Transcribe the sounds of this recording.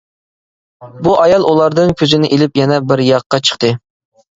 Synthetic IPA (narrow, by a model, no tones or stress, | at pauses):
buʔɑjɑlˠulˠɑɾd̪ɨŋkʲʰøzɪnɪʔelɪpjɛnɛbɪɾjɑqːɑt͡ʃʰə̥χt̪ɨ